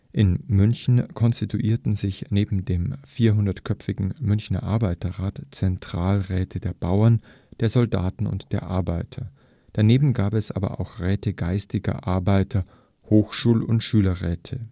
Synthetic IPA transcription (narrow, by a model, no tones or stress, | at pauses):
ʔɪnmʏnçn̩kʰɔnstitʰuʔiːɐtn̩zɪçneːbm̩deːmfiːɐɦʊndɐtkʰœfɪɡŋ̩mʏnçnɐ̰ʔa̰ɐbaɪtɐʁaːtt͡sɛntʁ̥aːlʁɛːtʰədeːɐb̥aʊɐn | d̥eːɐzɔlda̰ːtn̩ʊ̰ntd̥eːɐʔa̰ɐbaɪtʰɐ | d̥aneːbm̩ɡaːpɛsʔa̰ːbɐ̰ʔa̰ʊxʁɛːtəɡaɪstɪɡɐ̰ʔaɐbaɪtʰɐ | hoːxʃuːlʊntʃyːlɐʁɛːtʰə